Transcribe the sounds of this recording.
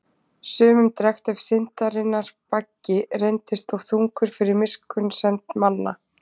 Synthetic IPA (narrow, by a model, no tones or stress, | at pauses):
sʏːmʏmt̪ɾɛxt̪ɛv̥sɪn̥t̪aɾɪnːaɾ̥pacːɪrejnt̪ɪst̪ɔwθuŋkʏɾ̥fɪɾɪɾmɪskʏnsɛnt̪manːa